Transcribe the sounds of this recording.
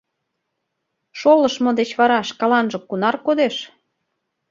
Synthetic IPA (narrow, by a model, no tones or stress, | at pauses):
ʃoləʃmŏd̪et͡ɕβɑɾɑʃkɑlɑnʒɤ̆kːunɑrkod̪eʃ